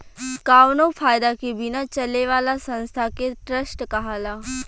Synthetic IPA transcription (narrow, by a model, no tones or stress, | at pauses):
kaːʋnofʰaːjd̪akebɪnat͡ʃɐleʋaːlasɐ̃nst̪ʰakeʈɾəsʈkaɦaːlaː